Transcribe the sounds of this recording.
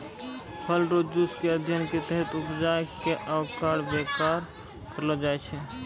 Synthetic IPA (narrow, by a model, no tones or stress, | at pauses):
pʰəlɾod͡ʒd͡ʒuskeəd̪ʱjənket̪əɦət̪upd͡ʒakeʔaʊkaɽbekaɾ | kʰəɾləd͡ʒaɛt͡ʃʰɛ